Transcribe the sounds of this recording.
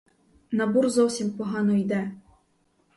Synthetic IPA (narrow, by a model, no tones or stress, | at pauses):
nɐburzɔwsʲimpɔɦɑnɔjd̪ɛ